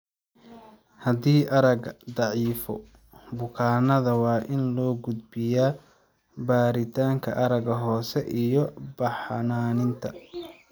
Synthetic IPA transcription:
hɐd̪iːʔɐɾɐɡd̪ɑʕiːfɔ̰ | bʊkʰaːnɐðɐwɑːʔɪnlɔːɡʊd̪̚bɪjaː | baːɾɪt̪ʰaːŋkʰɐ̰ʔɐɾɐɡɐɦɔːsɛʔijɔbɑħɑnaːnɪnt̪ʰɐ

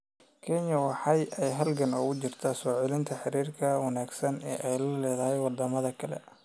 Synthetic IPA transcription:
kʰɛɲɐwɑħɑjɛjɦɐlɡɐnʊɣʊt͡ʃɪrt̪ʰaːsɔːʕɛlɪnt̪ʰɐħɪɾiːrkʰɐwɐnaːɡsɐnɛ̰ːʔɛjlɐlɛːðɐɦɛjwɑd̪ɐmɐðɐkʰɐlɛ̰

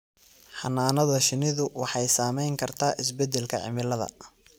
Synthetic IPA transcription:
ħɑnaːnɐðɐʃɪnɪðʊwɑħɑjsaːmɛjŋkʰɐrt̪ʰaːʔɪsbɛd̪ɛlkʰɐ̰ʕɪ̰mɪlɐðɐ̰

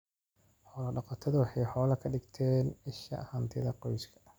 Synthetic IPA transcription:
ħɔːlɐɖɑqɑt̪ʰɐðʊwɑħɑjħɔːlɐkʰɐɖɪɡt̪ʰɛːnɪʃɐ̰hɐnt̪ʰɪðɐqɔjskʰɐ̥

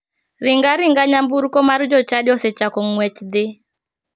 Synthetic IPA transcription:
ɾɪŋɡaɾɪŋɡaɲambuɾkɔmard͡ʒɔt͡ʃadɪɔsɛt͡ʃakɔŋwɛt͡ʃd̪ɪ

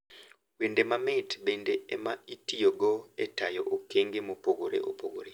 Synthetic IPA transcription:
wendemamɪtbendeɛmaitijoɡɔɛtajɔʔokeŋɡemopoɡoɾḛʔo̰poɡoɾe

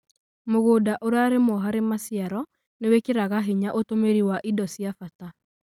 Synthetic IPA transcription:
moɣoːdaʔoɾeaɾemɔɦaɾemasjaɾɔ | newekeɾaɣaɦiɲaʔotomeɾiwaʔidɔsjafata

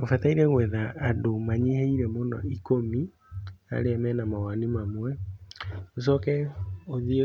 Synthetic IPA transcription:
ofataiɾɛɣwɛðaːdomaɲeheiɾɛmonɔ̰ikomi | a̰ɾeamɛnamawanimamwɛ | os̬ɔkɛoðie

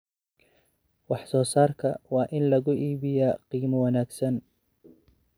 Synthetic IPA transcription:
wɑħsɔːsaːrkʰɐwɑːʔɪnlɐɣʊʔiːβɪjaqiːmɐwɑnaːɡsɐn

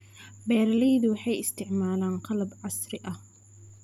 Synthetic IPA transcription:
bɛːɾɐlɛjðʊwɑħɑjɪst̪ɪʕmaːlaːnqɑlɐbʕɑsɾɪʔɐh

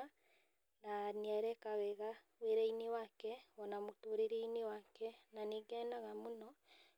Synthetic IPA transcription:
a | naniaɾɛkawɛɣa | weɾainiwakɛwɔnamutoːɾeɾeiniwakɛnaneɡɛnaɣamunɔ

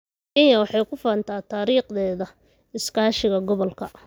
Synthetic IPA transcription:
ʔɪjɐwɑħɑjkʰʊfaːnt̪ʰaːt̪ʰaːɾiːqd̪ɛːðɐ | ɪskʰaːʃɪɣɐɡɔβɔlkʰɐ

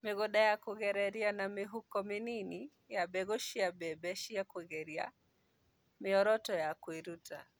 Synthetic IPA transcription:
miɣɔɗajakuɣɛɾɛɾianamiɦukɔminini | jaɓɛɣuʃijaɓɛɓɛʃijakuɣɛɾia̰ | miɔɾɔtɔjakwiɾuta̰

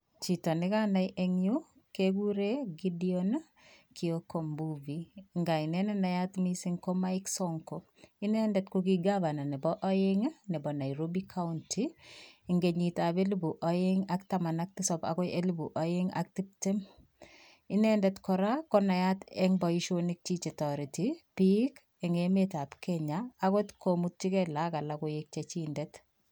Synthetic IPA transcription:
t͡ʃitɔnɪkanajʔeŋju | keɡuɾeɡidion | kʰiokombuviŋɡainɛnɛnajatmisiŋkomaiksɔŋko | ɪnɛndɛtkuk̬iɡabananɛbɔʔɔjeŋnɛbɔnajɾobikʰaʊntʰiːŋɡeɲitabelibuʔɔjeŋaktamanak̚tɪsɔpa̰kɔjelibuʔɔjeŋa̰k̚tip̚tɛm | ɪnɛndɛtkɔɾakɔnajatɛŋbɔiʃonik̚t͡ʃit͡ʃetɔɾitipik | ɛŋemetapkɛɲaːkotkomutt͡ʃikɛlakalakʊjek̚t͡ʃet͡ʃindɛt

